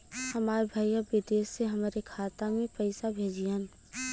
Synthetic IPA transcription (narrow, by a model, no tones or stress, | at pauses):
hɐmaːɾbʱaːjjabɪd̪eːʃːeɦɐmaːɾekʰaːt̪amẽpɛɪsabʱeːd͡ʒian